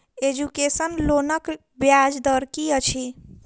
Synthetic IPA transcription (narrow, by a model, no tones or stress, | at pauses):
ed͡ʒukesənlonək | bjad͡ʒd̪əɾkiət͡ʃʰi